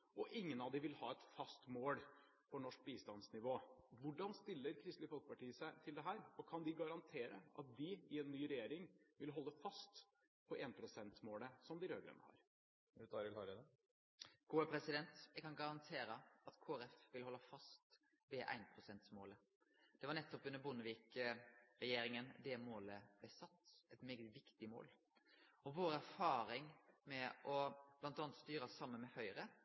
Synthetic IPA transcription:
ɔʔɪŋːənɑʋd̪ɪʋɪlhɑːɛt̪fɑst̪moːl | pʰɔnɔʂk̚biːst̪ɑnsnɪʋoːʋʊɖɑnst̪ɪlːəɾkʰɾɪst̪lɪəfɔlkə̥pɑʈiːəsæɪt̪ʰɪld̪ɛɦæːɾɔkʰɑnd̪ɪɡɑɾɑnt̪ʰeːɾə̰ɑ̰t̪̚d̪ɪɪɛnːyːɾɛjeːɾɪŋʋɪlɦɔlːəfɑst̪ | pʰɔʔeːnpʰɾʊsɛnt̪moːləsɔmd̪ɪɾøːɡɾɛ̰nːə̰hɑ̰ɾ | ɛt̪ɑɾɪlhɑɾɛd̪ɛ | ɡ̥oːəpʰɾɛsɪd̪ɛnt̪ækɑnɡɑɾɑnt̪ʰeːɾəɑt̪kʰoːɛɾɛfʋɪlhɔlːɑfɑst̪ | ʋɛʔæ̰ɪnpʰɾʊsɛnt̪smoːlə | d̪̥ɛʋɑɾɳɛt̪ːɔpʉnːəɾbʊnəʋiːk | ɾɛjeːɾɪŋənd̪ɛmoːləb̥lɛsɑt̪ːɛt̪meːɡət̪ʋɪkt̪ɪmo̰ːl | ɔʋoːɾəæɾfɑːɾɪŋmɛʔɔb̥lɑnt̪ɑnət̪st̪yːɾsɑmːənmɛhœʏɾə

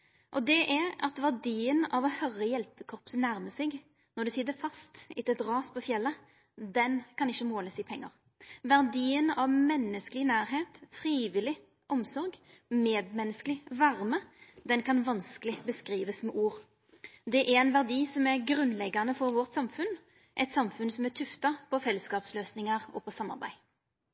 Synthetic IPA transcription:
ʔɔd̪ɛʔæɾɑ̰t̪ʋæʁd̪iːənɑʋɔhœɾəjɛlpəkʰɔʁpsənæɾməsɪɡ | nɔʁd̪ʉsɪːd̪əfɑst̪ɪt̪ɪlt̪ɾɑːspʰɔfjɛlːə | d̪ɛnkɑnɪçːəmoːləsɪpʰɛŋːɑʁ | ʋæʁd̪iːənɑʋmɛnːəskəlɪnæːɾɦeːt̪fʁiːʋɪlɪ | ʔɔmsɔʁɡ | meːd̪mɛnəskəlɪʋɑʁməd̪ɛnkʰɑnʋɑnskəlɪbəskʁiːʋəsmɛʔuːʁ | d̪ɛʔæɾɛnʋæʁd̪iːsɔmæɾɡʁʉnlɛɡɑnəfɔʁʋɔʁt̪sɑmfʉn | ʔɛɪt̪sɑmfʉnsɔmæt̪ʰʉft̪ɑpʰɔfɛlːəskɑːpsløːsnɪŋəʁɔpʰɔsɑmːɑ̰ʁbæ̰ɪ

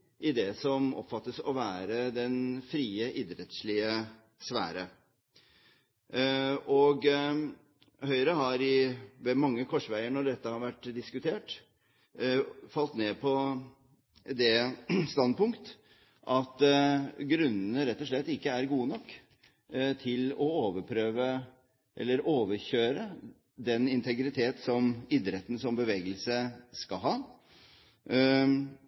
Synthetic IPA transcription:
ʔɪd̪ɛsɔmɔ̰pːfɑt̪ːəsɔʋæːɾəd̪ɛnfɾiːəʔɪd̪ɾət̪sɭɪə | sʋæ̰ːɾə | ɔɡ | hœʏɾəɦɑɾɪʋɛmɑŋːəkʰɔʂʋæɪəɳɔɖɛt̪ːəhɑʋæʈːd̪ɪskʉt̪ʰeːʈ | fɑlt̪neːpʰɔ | d̪ɛst̪ɑnd̪̚pʊŋkt̪ | ʔɑt̪ɡɾʉnːənəɾɛt̪ːɔʂɭɛt̪ːɪkːəæɾɡuːənɔkː | t̪ʰɪlɔoːʋəɾpʰɾøːʋə | ʔɛ̰lːəɾoːʋəɾçøːɾə | d̪ɛnɪnt̪ʰɛɡɾɪt̪ʰeːt̪sɔmɪd̪ɾɛt̪ːən̩sɔmbəʋeːɡəlsəskɑɦɑː

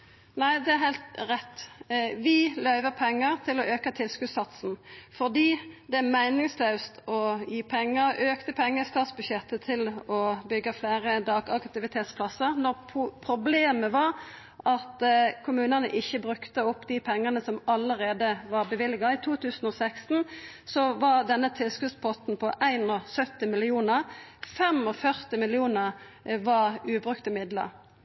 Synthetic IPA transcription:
næɪd̪ɛæʁɦæɪlt̪ʁɛt̪ːʋɪlœʏʋəpʰɛŋːəʁt̪ʰɪlɔʔøːkət̪ʰɪlskʉsɑt̪sn̩fɔʁd̪iːd̪ɛmæɪnɪŋsløʉst̪ɔjiːpʰɛŋːəʁøːkt̪əpʰɛŋːəst̪ɑːt̪sbʉɕɛt̪ːət̪ʰɪlɔbʏɡːəfleːʁəd̪ɑːɡɑkt̪ɪʋɪt̪ʰeːt̪spʰlɑsəʁnɔʁpʰʊpʰɾʊbleːməʋɑʁ | ʔɑt̪kʰʊmʉːnənə̰ʔɪçːəbʁʉkt̪əʊpːd̪ɪpʰɛŋːənəsɔmɑləʁeːd̪əʋɑʁbəʋɪlːɪɡɑɪt̪ʰuːt̪ʰʉːsn̩ɔsækst̪n̩ | sɔʋɑʁd̪ɛnːət̪ʰɪlskʉspʰɔt̪n̩pʰɔʔæɪnɔsœt̪ːɪmɪlɪuːnəʁfɛmɔfœʁt̪ɪmɪlɪuːnəʁ | ʋɑʁʉːbʁʉkt̪ɪmɪd̪lə̰ʁ

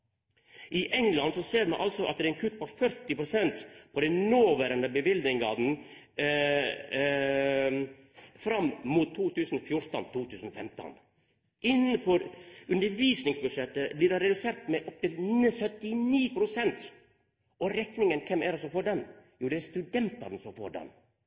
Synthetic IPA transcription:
ʔɪʔɛŋlɑnsɔseːɾmɛ̰ʔɑlsɔʔɑ̰t̪̚d̪ɛɛnkʰʉt̪ːpɔfœɾt̪ɪpɾʊsɛnt̪pʰɔd̪ɛnnoːʋæɾənd̪əbəʋɪld̪nɪŋɡɑːd̪n̩ | fɾɑmːmuːt̪ʰːuːt̪ʰʉːsən̩fjʊɾt̪ə̰nt̪ʰuːt̪ʰʉːsən̩ɔfɛmt̪ə̰n | ʔɪnːənfɔɾʉnd̪əɾʋiːsnɪŋsbʉd̪ʂɛt̪ːəblɪɾɖɑɾɛd̪ʉseːɾt̪mɛʔɔp̚t̪ɪləsœt̪ːɪniːpʰɾʊsɛnt̪ | ɔɾɛknɪŋənkʰɛmæɾsɔfoːɖɛnjuːd̪ɛæst̪ʉd̪ɛnt̪ɑ̰d̪ɛnsɔmfo̰ːɖɛ̰n

